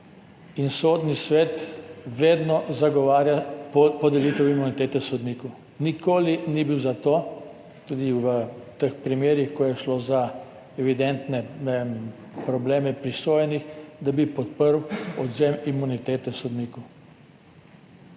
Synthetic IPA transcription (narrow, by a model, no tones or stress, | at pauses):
insoːd̪nisʋet̪ʋeːd̪nɔzaɡɔʋaːɾjapɔd̪ɛliːt̪ɛwimunit̪eːt̪ɛsɔd̪niːku | nikʰoːlinibiwzat̪oː | t̪uːd̪iʋət̪əxpɾimeːɾjixkɔjɛʃloːza | ɛʋid̪ɛnt̪nɛnem | pɾɔbleːmɛpɾisoːjɛnixd̪abipɔt̪̚pəɾwɔd̪zemimunit̪eːt̪ɛsɔd̪niːku